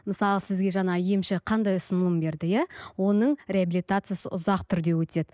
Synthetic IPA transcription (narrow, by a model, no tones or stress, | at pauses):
məsɑlˠəsɪzɡʲe̞ʒɑɴɑije̞mʃɪqʰɑnd̪ɑjʊsənəlˠəmbe̞ɾd̪ɪjæwo̞nəɴrʲeabilʲijt̪at̪sɨjasəʔʊzɑqt̪ʰʏɾd̪e̞wɵt̪e̞d̪ɪ